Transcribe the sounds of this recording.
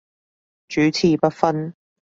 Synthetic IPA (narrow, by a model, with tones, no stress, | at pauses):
t͡ʃyː˨˦t͡sʰiː˨pɐ˥t̚fɐ˥n